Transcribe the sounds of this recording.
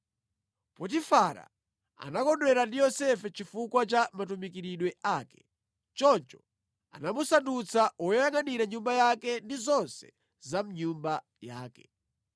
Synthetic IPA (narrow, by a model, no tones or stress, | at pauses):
pɔt̬ifaɾa̰ | a̰nakɔndwɛɾandijɔsɛfɛt͡ʃifukwat͡ʃamatumikiɾiɗwɛʔaːkɛ̥ | t͡ʃɔnt͡ʃɔ̥ | a̰namusandut͡sʰaɔjjaŋaniɾaɲumbajakɛndizɔnsɛ̥ | zam̩ɲumba | jaːkɛ̥